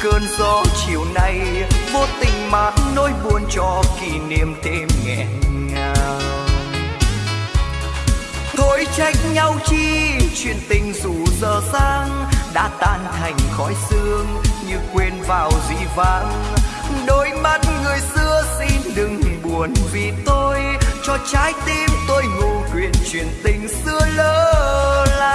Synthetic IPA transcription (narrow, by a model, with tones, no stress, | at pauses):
kəː˧nzɔ˧˦t͡ɕi˨əwna˧˩jmo˧˩t̚t̪ï˨˩ŋ̟ma˨˩t̚nːo˧jɓu˧˩ənt͡ɕɔ˧˩ki˧˩ni˧˩əmt̪ʰe˧mŋɛ̰˧˩ŋaː˧ww | t̪ʰo˧˨˦jt͡ɕa˦˥jk̚ɲa˧wt͡ɕi˧t͡ɕwḭ˧˨ənt̪ï˨˩ŋ̟zu˧˩zəː˨˩saː˧ŋɗa̰ː˧˥t̪aː˧˩nt̪ʰa˨˩jŋ̟xɔ̰˧˥jsɨ˧əŋɲɨ˧kwe˧nvaː˨˩wzḭ˧˩vaː˧˩ŋɗo˨˦jma˧˥t̚ŋɨ˨˩əjsɨ˧əsi˧nɗɨ˨˩ŋɓu˨˩ənvi˨˩t̪o˧jt͡ɕɔ˧t͡ɕaː˨˦jt̪i˧mt̪o˧jŋu˧˩kwḭ˧˨ənt͡ɕwḭ˧˨ənt̪ï˨˩ŋ̟sɨ˧ələː˧˦laː˧